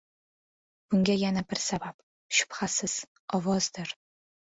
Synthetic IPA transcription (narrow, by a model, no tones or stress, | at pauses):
b̥ʊŋɡʲajanabɪɾsabab | ʃʊ̥pχasɪz̥ | ɒwɒz̥d̪ɪɾ